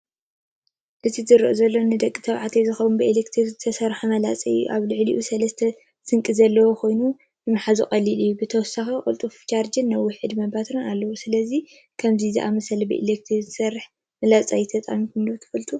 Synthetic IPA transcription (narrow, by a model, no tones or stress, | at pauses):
ʔɨt̪ʰizɨɾɨʔozɐlːo̞nɨd̪ɐkʼːit̪ʰɐβʕat̪ʰejzɨxɐwunbɨilekt̪ʰɾiɾzɨt̪ʰɐsɐɾħamɐlat͡sʼɐ̰juʔaβlɨʕlḭʔusɐlɐst̪ʰɐ | sɨŋkʼizɐlːɐwokʰo̞jnu | jɨmɨħazukʼɐlilijːubɨt̪ʰɐwɔsaxikʼṵlt̪ʼuft͡ʃʰaɾd͡ʒɨnːɐwːʊħɨd̪mɐbat̪ʰonalːɐwusɨlɐzi | kʰɐmzizḭʔamɐsɐlɐbɨ̰ʔḭlek̚t̪ʰɾiɨt̪ʰɐ̥sɐrːɨħ | mɐlat͡sʼajt̪ʰɐt̪ʼa̰mikund̪ot̪ʰɐ̥fɐlt̪ʰʼu